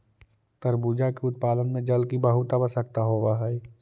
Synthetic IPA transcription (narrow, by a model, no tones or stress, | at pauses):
t̪əɾbud͡ʒakeʊt̪̚paːd̪ənmẽd͡ʒəlkibəɦʊt̪abəsəkt̪aɦoːbaɦɛɛ